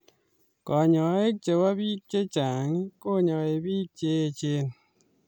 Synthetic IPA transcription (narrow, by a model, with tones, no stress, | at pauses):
kɔ˨ɲɔ˨ŋɔ˨e˦t͡ʃe˨wa˦bi˦t͡ʃe˦t͡ʃa˨ŋi˦ko˦˨ɲɔ˨ŋ˨e˨biː˦t͡ʃe˦e˨t͡ʃeː˦n